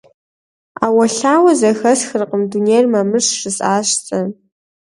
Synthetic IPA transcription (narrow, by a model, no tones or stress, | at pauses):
a̰ːwɐɬaːwɐzɐxɐsxɨrqəmdunejrmɐmɨʂʂɨsaːɕt͡sʼɐ